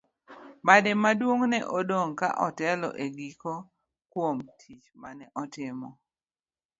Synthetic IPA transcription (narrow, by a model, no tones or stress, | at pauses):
badɛmadwoŋnɛ̰ʔodoŋka̰ʔɔtɛlɔ̰ʔeɡiko | kwomtʰit͡ʃmanɛʔɔtɪmɔ